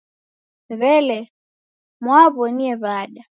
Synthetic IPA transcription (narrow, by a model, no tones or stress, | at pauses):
βɛlɛ | mwaβɔniɛβaɗa